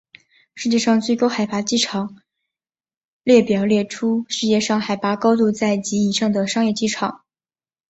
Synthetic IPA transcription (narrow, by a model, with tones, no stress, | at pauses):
ʂɻ̩˥˧t͡ɕjɛ˥˧ʂɑ˥˧ŋt͡swe˥˩ɪkɑ˥ʊxa˨˩ɪpa˧˥t͡ɕi˥˩ʈ͡ʂʰɑ˨˩˦ŋ | ljɛ˥˩pjɑ˨˩ʊljɛ˥˩ʈ͡ʂʰu˥ʂɻ̩˥˧jɛ˥˧ʂɑ˥˩ŋxa˨˩ɪpa˧˥kɑ˥ʊt̪u˥˧t͡sa˥˩ɪt͡ɕi˧˥i˨˩ʂɑ˥˩ŋd̪ə˩ʂɑ˥ŋjɛ˥˧t͡ɕi˥˩ʈ͡ʂʰɑ˨˩˦ŋ